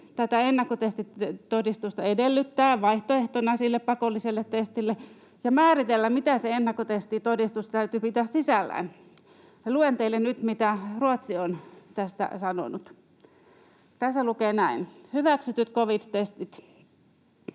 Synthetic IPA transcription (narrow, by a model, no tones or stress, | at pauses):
t̪æt̪æenːɑkːot̪est̪it̪t̪odist̪ust̪ɑedelːyt̪ːæːʋɑiht̪oeht̪onɑsilːeppɑkolːiselːet̪test̪ilːe | jɑmæːrit̪elːæmmit̪æseenːɑkːot̪est̪it̪odist̪ust̪t̪æyt̪ypit̪æssisælːæ̰ːn | ɑluent̪eilːennyt̪mit̪æruot̪siont̪æst̪æ̰sɑno̰nut̪ | t̪æsːælukeːˑnæinhyʋæksyt̪yt̪koʋit̪ːest̪it̪